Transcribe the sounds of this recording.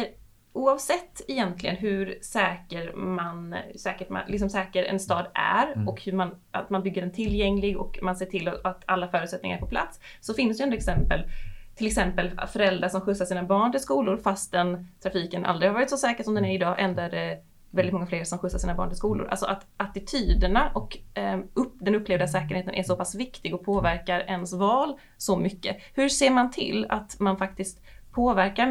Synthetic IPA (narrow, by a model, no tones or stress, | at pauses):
uːɑvsɛt̪ːɛjɛnt̪lɪɡə̰nɦɵɾsɛːkəɾmansɛːkəʈma̰lɪksɔmsɛːkəɾɛ̰nst̪ɑːd̪æ̰ɾɔkhɵman | a̰t̪manbʏɡːəɖɛnt̪ʰɪlːjɛŋlɪɡɔ̰kmanseːʈʰɪlɔat̪ʰalːafœːɾʉ̟t̪sɛt̪nɪŋaɾpʰɔpʰla̰t̪sːɔfɪnːsd̪ɛɛnd̪ɾɛksɛmpəlt̪ʰɪlɛksɛmpəlfœɾɛld̪ɾaʂɔmɧɵsːaʂiːnabɑːɳʈ̪ɪlskuːlʊɾfast̪̚d̪ɛnt̪ʰɾafiːkənʔa̰ld̪ɾɪhaɾvɑːɾɪt̪sɔsɛːkəʂɔmd̪ɛnæɾɪd̪ɑːʔɛnd̪æɖɛ | vɛldɪt̪mɔŋafleːɾsʂɔmɧɵsːaʂiːnabɑ̰ːɳʈ̪ɪskuːlʊ̰ɾʔa̰lsɔ̰ʔat̪ʔat̪ɪt̪ʰyːd̪əɳaʔɔkɵpːd̪ɛnɵpːleːvd̪asɛːkəɾheːt̪ənʔæ̰ʂɔpʰasvɪkt̪ɪɡɔpʰoːvæɾkaɾɛnsvɑːl | sɔmʏkːəhɵʂeːɾmant̪ʰɪ̰lːa̰t̪manfak̚t̪ɪskt̪pʰoːvæɾka